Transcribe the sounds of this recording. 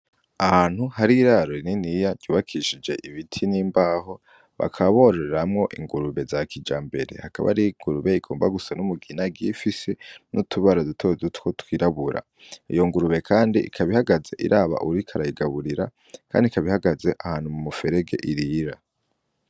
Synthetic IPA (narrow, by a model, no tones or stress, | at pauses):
ahaːn̥huhaɾiɾaɾoininijad͡ʒɟuːβakʰiʃid͡ʒe̞ʔiβitʰiniːmbaːho̞ | βa̰kʰaβo̞ɾoɾeɾamŋo̞ʔḭŋɡuɾuβe̞zakʰid͡ʒaːmbe̞ɾe̞̰haka̰βa̰ɾiŋɡuɾuβe̞iɡ̥oːmbaɡusanumuɡinaɡifisenʔutʰuβaɾadutʰozutkotwiːɾaβuɾʔa̰ | ijo̞ŋɡuɾuβe̞kʰaːndiikʰaβihaɡaze̞̰ʔḭɾʔaːβa̰ʔuɾikʰaɾaiɡaβuɾiɾa | kʰa̰ːndikaβihaɡaze̞ʔahaːn̥humumufe̞ɾeɡe̞̰ʔiɾiːɾa